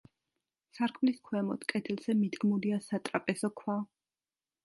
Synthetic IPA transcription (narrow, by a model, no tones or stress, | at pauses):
saɾkʼmliskʰwɛmɔt̪ʰkʼɛt̪ʰɛlˠz̥ɛmid̪ɡmuliasat̪ʼɾapʼɛsɔkʰwa